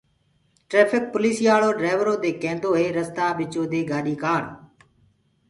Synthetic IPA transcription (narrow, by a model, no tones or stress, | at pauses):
ʈɾeːpʰɪk̚pʊliːsiːaːɭoːɖɾaːɪʋəɾoːd̪eːkẽːnd̪oːɦeːɾəst̪aːɓɪt͡ʃoːd̪eːɡaːɗiːkaːɽ